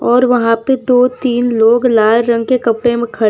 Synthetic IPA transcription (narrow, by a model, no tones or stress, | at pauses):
ɔːɾʋɐɦãped̪oːt̪iːnloːɡlaːlɾɐ̃ŋɡ̚kekɐpɽemẽkʰɐ